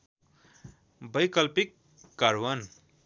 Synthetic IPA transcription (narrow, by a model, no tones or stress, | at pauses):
bʌjkʌlpikː | aɾwʌn